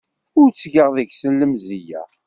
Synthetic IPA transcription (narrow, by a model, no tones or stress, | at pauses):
ʊɾt͡sːɡəʁðəɡsəlːəmzijæ̰